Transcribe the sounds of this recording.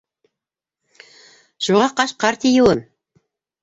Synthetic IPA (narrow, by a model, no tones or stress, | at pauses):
ʃuʁɑqɑʃqɑɾt̪ʲijuwɤn